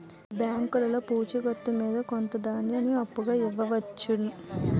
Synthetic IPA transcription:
bjaːŋkulɐloːpuːt͡ʃuɡɐt̪ːumiːd̪ɐkont̪ɐd̪aːɳɖiɐniɐpːuɡaːiʋːɐʋɐt͡ʃːuɽɐ

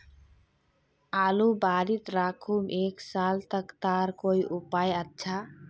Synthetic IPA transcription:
aːlubaːɾit̪ɾaːkʰumʔeːksaːlt̪əkt̪aːɾkoːiʔupaːjətːʃʰa

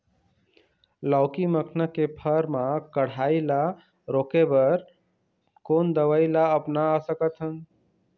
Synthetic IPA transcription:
laʊkiməkʰnəkːepʰəɾmãkəɽ̤aila | ɾokebəɾ | kond̪əʋəilaəpnaːsəkət̪ɦən

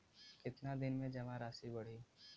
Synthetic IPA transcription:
kɪt̪nad̪ɪnmẽd͡ʒɐmãɾaːsibɐɽ̤i

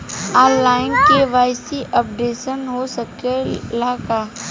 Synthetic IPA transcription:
aːnlaːɪnkeʋaːɪsiʔɐp̚ɖeːʃənɦosɐkelaːkaː

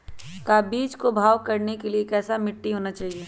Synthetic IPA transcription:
kaːbiːt͡ʃkobʱaːʋkɐɾnekeliekɛːsamɪʈːiɦoːnat͡ʃaːɦieː

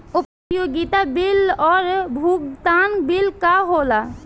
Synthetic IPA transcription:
up | joɡit̪abilɔɹbʱuɡ̚d̪anbilkaɦola

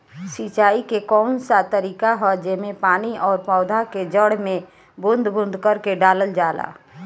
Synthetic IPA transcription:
sit͡ʃaːikekɔːnsat̪əɾiːkaɦɔd͡ʒemẽpaːniʔɔːɾpɔːd̪ʱaked͡ʒəɽmẽ | bʊ̃nd̪bʊ̃nd̪ʱkəɾkeɖaːləld͡ʒaːla̰ː

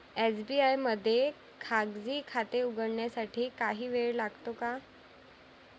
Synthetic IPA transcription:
ed͡zbiajməd̪ʱːje | kʰaɡd͡ziːkʰat̪euɡəɽɳjasaʈʰiːkaɦiːʋeɭlaɡt̪oka

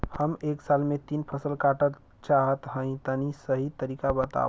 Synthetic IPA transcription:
həmeksalmet̪inpʰəsəlkaʈət̪ | t͡ʃaɦət̪ɦə̃ĩt̪ənisəɦit̪əɾikabət̪a̰

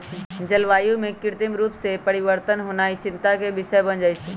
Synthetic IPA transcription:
d͡ʑɐlʋaːjũmẽkɪɾt̪ɪmɾuːpsepɐɽɪʋəɾt̪ənɦʊnaːit͡ɕɪ̃nt̪akʰebɪʃəjbɐ̃nd͡ʑaːit͡ʃʰiː

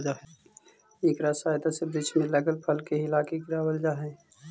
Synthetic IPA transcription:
d͡ʒaɦɛ | iːkɾaːsaːjt̪asebɾɪt͡ʃʰmẽlɐɡəlpʰəlkeɦɪlaːkekɾaːwəld͡ʒaːɦɛ̃ː

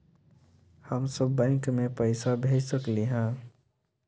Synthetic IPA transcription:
həmsəbːə̃ŋkmẽpəɪsabʱed͡ʒsəkliɦã

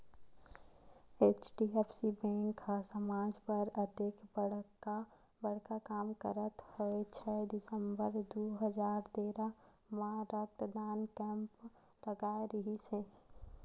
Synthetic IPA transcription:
eːt͡ʃɖiɛpsibɛ̃ːŋkʰːasəmaːd͡ʒpəɾəd̪ekbəɽ̤ka | bəɽ̤kakaːmkə̰ɾət̪hoet͡ʃʰɛd̪ɪsə̃mbəɾd̪oɦəd͡ʒaːɾt̪eːɾa | mãɾəkt̪d̪aːnkɛ̃ːmp | ləɡaːeɾəɦise

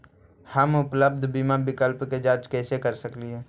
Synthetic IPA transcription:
həmʊpləb̚d̪ʱbiːmabɪkəlpked͡ʒaːt͡ʃkɛːsekəɾsəkliɦɛː

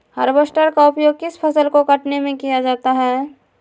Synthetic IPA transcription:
hɐ̰ɾbəsʈəɾkaʊpjoːɡ̚kɪspʰɐsəlkokɐʈnemẽkijad͡ʒaːt̪aɦɛː

